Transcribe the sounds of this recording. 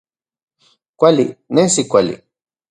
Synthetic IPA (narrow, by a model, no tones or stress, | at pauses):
kʷalḭnesikʷalḭ